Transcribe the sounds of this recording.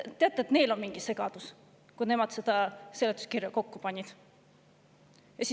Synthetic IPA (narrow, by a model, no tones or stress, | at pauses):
t̪ːe̞ɑt̪ːˑeːt̪ne̞ːlo̞nmiŋɡ̥ise̞ɡ̥ɑd̪̥us | kujne̞mɑd̪̥se̞d̪̥ɑse̞let̪ːˑu̥skirjɑko̞kːupɑnʲːid̪̥ | jɑsi